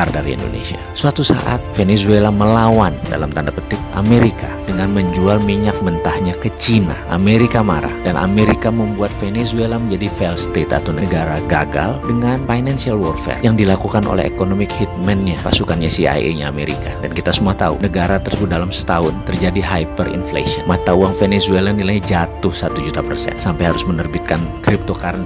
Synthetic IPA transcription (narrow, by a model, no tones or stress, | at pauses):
ardaɾiḭndo̰nḛsiasəat̪usa̰ʔa̰t̪fenezuelaməlawanda̰lamt̪andapət̪ɪk̚ʔa̰meɾikadəŋanməɲd͡ʒualmiɲak̚mənt̪ahɲakət͡ʃina̰ʔa̰meɾikamaɾa̰hdanʔa̰meɾikaməmbuat̪̚fenesuelaməɲd͡ʒadifɛlst̪et̪a̰t̪awnəɡaɾaɡaɡa̰ldəŋanfajnansialwɔrfɛ̰rjaŋdilakukanʔo̰lɛ̰hḛkonomɪkhit̪̚mɛnɲapasukanɲasia̰jḛɲaːmeɾḭkadankit̪asəmuat̪aṵnəɡaɾat̪ərsəbudalamsə̥t̪aʊnt̪ərd͡ʒadiɦajpərḭnflḛsiɔnmat̪auaŋfɛnezuelandilaid͡ʒat̪ʊhsat̪ud͡ʒut̪apərsɛ̰nsampajhaɾʊsmənərbit̪̚kankɾip̚t̪okaɾn